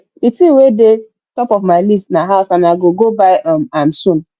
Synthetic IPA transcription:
itiwede | tɔpɔvmaɪlistnaɦaʊsanaɡoɡobaɪɔmamsũn

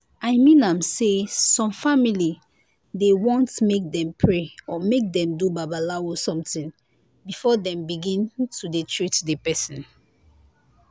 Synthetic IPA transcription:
aɪmĩnãmsesɔ̃mfamili | dewɔ̃ntmek̚dɛ̃mpʰɹeɔmek̚dɛ̃mdubabalawɔsɔ̃mtĩŋ | bifɔdɛ̃mbiɡĩntʰudetʰɹitdepɛsɔ̃n

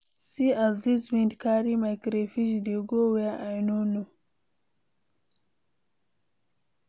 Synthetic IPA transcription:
siazd̪iswĩndkaɾimajkɾefiʃd̪eɡoweaʔajnonu

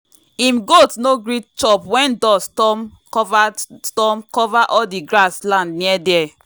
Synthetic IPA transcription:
ĩmɡotnoɡɹitt͡ʃɔpwɛ̃ndɔstɔm | vastɔmkɔvaʔɔldiɡɾaslãndniɛdɛ

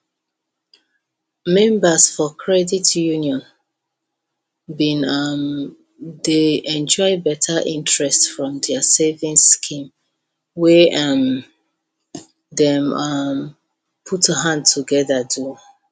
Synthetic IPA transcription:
mɛ̃mbasfɔkʰɹɛditjuniɔ̃n | bĩnʌm | deɛ̃nd͡ʒɔɪbɛtʰaʔĩntɹɛstfɹɔ̃mdɛasevĩŋskʰĩm | wɛam | ðɛ̃mʌm | pʰutəɦãnd̚tʰuɡɛðadu

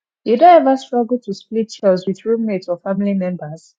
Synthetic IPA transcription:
jedõɛvastɹ̥ɔɡl̩ˠtʰusplitt͡ʃɛzwiðɹumetɔfamilimɛ̃mbəz̥

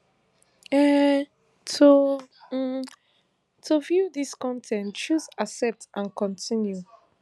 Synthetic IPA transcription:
ɛ | tʰo | tʰuvjuðiskɔ̃ntʰɛ̃nt͡ʃuzasɛp̚tãnkɔ̃ntʰĩnju

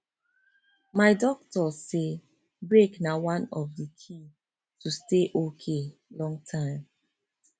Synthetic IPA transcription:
maɪdɔk̚tɔse | bɹeknawãnɔvdəkʰi | tusteʔokʰelɔ̃ŋtʰãɪ̃m

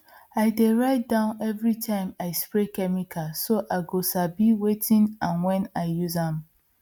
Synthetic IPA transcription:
aɪdeɹaɪt̚dãʊ̃nɛvɹitʰãɪ̃maɪspɹekɛmikʰasoʔaɡosabiwetʰĩnãnwɛ̃naɪjuzãm

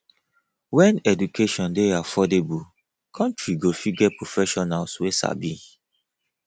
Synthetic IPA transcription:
wɛ̃nɛdukeʃɔ̃ndeafɔdebu | kʰɔ̃ntɹiɡofiɡɛpɹofɛʃɔnalswesa̰bi

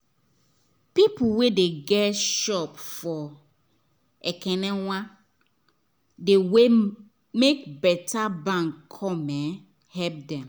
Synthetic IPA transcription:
pipuwedeɡɛtʃɔpfɔ | ɛkʰɛnɛ̃w̃ã | dewe | mekbɛtʰabãŋʰɔmɛ̃ | hɛp̚dɛ̃m

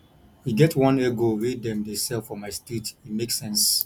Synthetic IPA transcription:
wiɡɛtʰwʌ̃nɛɡoɹedɛ̃mdesɛlfɔmaɪstitimeksɛ̃ns

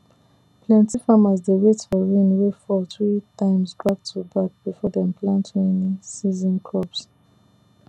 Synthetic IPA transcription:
pʰlɛ̃ntifamazdeɹetfɔɹĩnwefɔlθɹitʰãɪ̃mzdɹak̚tʰubak̚b̥ifɔdɛ̃mpʰlãntʰẽnsizɔ̃nkʰɔps

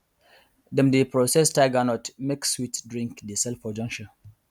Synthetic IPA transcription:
dɛ̃mdepɹosɛstaɪɡanɔtmekswitdɹĩŋkdesɛlfɔd͡ʒɔ̃ŋʃə

